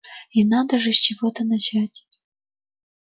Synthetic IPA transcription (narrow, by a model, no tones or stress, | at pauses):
inɑd̪əʐɨsʲt͡ɕivot̪ənat͡ɕatʲ